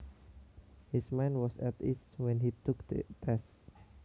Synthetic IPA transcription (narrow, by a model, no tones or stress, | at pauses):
hismãjnwɔsɛt̪ḭswɛ̃nɦit̪ʊkd̪t̪ɛs